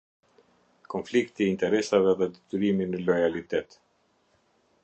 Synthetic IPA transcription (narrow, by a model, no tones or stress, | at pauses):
kɔnflikt̪iːnt̪ɛɾɛsavɛðɛd̪ɛt̪yɾiminəlɔjalit̪ɛt̪